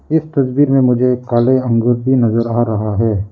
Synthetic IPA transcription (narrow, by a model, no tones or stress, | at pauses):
ɪst̪ɐsbiːɾmẽmʊd͡ʒʱekaːleɐ̃ŋɡʊɾbʱinɐzəɾaːɾɐɦaɦɛː